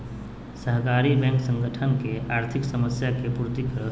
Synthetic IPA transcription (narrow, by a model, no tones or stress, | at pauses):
səɦkaːɾibɛ̃ŋksə̃ŋɡəʈʰənkeaːɾt̪ʰiksəməsjakepuɾt̪ikəɾ